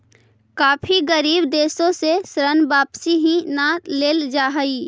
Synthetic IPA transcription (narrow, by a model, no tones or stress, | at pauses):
kaːpʰiɡəɾiːbd̪eːsõsesɾənbaːpsiɦĩnaːleːld͡ʒaːɦiː